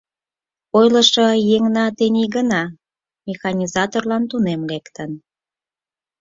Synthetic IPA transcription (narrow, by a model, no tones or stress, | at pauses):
ojlə̆ʃojeŋnɑt̪enʲiɣənɑ | mʲexɑnʲizɑt̪orlɑnt̪unemlekt̪ən